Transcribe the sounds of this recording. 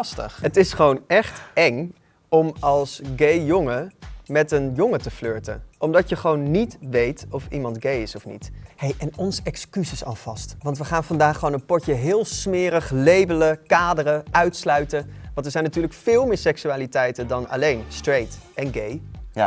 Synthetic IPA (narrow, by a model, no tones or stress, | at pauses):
stə̰ɦətɪsχəʋownɛχtɛŋ | ɔmɑlˠsɡejjɔŋəmɛtənjʊŋətəfløːɹtə̰ʔɔmdɑtjəχəʋownːitʋejtɔfḭmɑntɡejɪsɔfnḭthejʔɛnɔnsɛkskysɪsɑ̰lˠv̥ɑstʋɑntʋəχaːnfɑndaːχəʋownənpɔɹcəɦɪːlˠsmɪːɾəχlejbələkaːdərəʔœɥtslœɥtəʋɑ̃ntɛɹzɛjnatyːɹləkfɪːlˠmɪːɹsɛksyaːlitɛjtəndɑna̰lejnstrejtɛnɡej